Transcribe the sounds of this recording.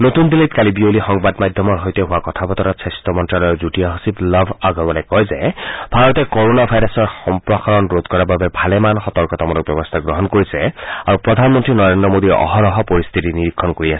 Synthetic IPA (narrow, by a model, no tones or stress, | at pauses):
not̪undilitkalibiolixɔŋbadmajd̪ʱjɔmɔɹɦojtɛɦuwakɔt̪ʰabɔt̪ɔɾatsɛstɔmɔntɹalɔjɔkzutijaɦosiplɔbʱaɡɔbɔlajkɔjzɛbʱaɹɔtɛkɔɹonabʱajɹɔsɔɹxɔmpɹɔxaɹɔnɹod̪kɔɹababɛbʱalɛmanxɔtɔɹkɔtamɔnɔk̚bjɔbɔst̪ʰaɡɹɔɦɔnkoɹisɛaɹupɹɔd̪ʱanmɔntɹinɔɹendɹɔmod̪iɔ̰ɦɔɹɔɦɔpɔɹist̪ʰitiniɹikʰːɔnkoɹiasɛ̥